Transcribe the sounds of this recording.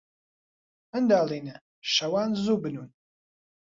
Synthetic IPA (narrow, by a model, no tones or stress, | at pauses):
ənd̪aːlˠinɨ | ʃɐwaːnzuːbɨnuːn